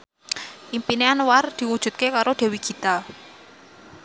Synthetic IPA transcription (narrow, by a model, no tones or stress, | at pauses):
ʔimpineanward̪̥i̤wud̥ʒ̥ṳt̪̚kekaɾʔoɖ̥e̤wiɡ̥ʰi̤t̪a